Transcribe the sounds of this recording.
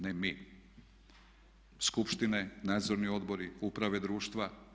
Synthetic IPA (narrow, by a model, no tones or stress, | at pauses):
nemi | skupʃt̪inenaːd̪zo̞ɾnio̞d̪bo̞ɾiupɾaʋe̞d̪ɾuːʃt̪ʋa